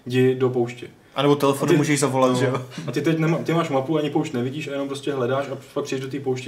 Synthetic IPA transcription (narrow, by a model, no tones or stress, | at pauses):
ɟɪdo̞p̬owʃcɛ | ʔanɛbot̪ɛlɛfonumuːʒɛʒzavolat̪ʒɛoat̪ɪt̪ɛcnɛmaːt̪ɪmaːʃmapuaaɲɪpowʃt̪nɛvɪɟiːʃajɛnompɾo̞scɛɦlɛdaːʃafak̚pr̥iɛʒdot̪̬iːpowʃcɛ